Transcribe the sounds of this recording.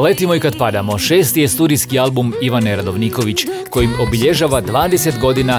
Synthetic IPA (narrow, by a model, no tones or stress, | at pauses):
le̞t̪imo̞ikad̪pad̪amo̞ʃe̞ːst̪ije̞st̪uɾijskialˠbumiʋaneɾad̪o̞ʋniko̞ʋit͡ɕko̞jimo̞biʎe̞ʒaːʋad̪ʋaːd̪ese̞t̪ɡo̞d̪ina